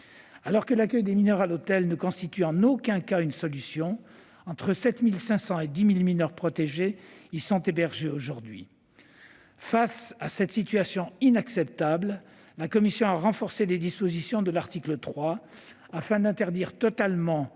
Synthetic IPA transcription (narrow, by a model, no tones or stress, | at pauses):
alɔʁkəlakʲœjd̪eminœʁalot̪ɛlnəkɔ̃st̪it̪yɑ̃nokʲɛ̃kaynsɔlysjɔ̃ | ɑ̃t̪χəsɛt̪milsɛ̃sɑ̃ed̪imilminœʁpχɔt̪eʒeisɔ̃t̪ebɛʁʒeoʒuʁd̪ɥḭ | fasasɛt̪sit̪ɥasjɔ̃inaksɛp̚t̪abl | lakɔmisjɔ̃aʁɑ̃fɔʁseled̪ispozisjɔ̃d̪əlaʁt̪iklət̪χwa | afɛ̃d̪ɛ̃t̪ɛʁd̪iʁt̪ɔt̪almɑ̃